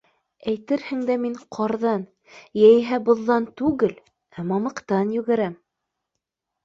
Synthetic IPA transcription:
æjt̪ɘɾhɘ̆ŋd̪æmiɴqʰɑɾðɑn | jæjɦæbŏðːɑnt̪ʉɡɘl | æmɑmɤ̆qt̪ɑnjʉ̆ɡæɾæm

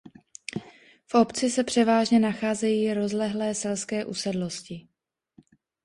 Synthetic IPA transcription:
fʔo̞pt͡sɪsɛpr̥ɛvaːʒɲɛnaxaːzɛjiːɾo̞zlɛɦlɛːsɛlskɛːʔusɛdlo̞scɪ

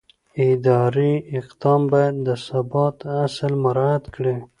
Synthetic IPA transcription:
ɪd̪ɑɾiɪqd̪ɑmbɑjad̪ːəsabɑt̪asəlmaɾɑad̪kɽe

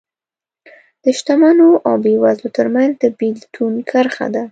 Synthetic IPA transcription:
d̪̥əʃt̪amanoʔawbewazlot̪əɾmanzd̪əbilt̪ʰunkʰaɾxa̰d̪a

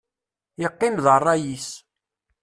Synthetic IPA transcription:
jəqːinðərˤːɑjis

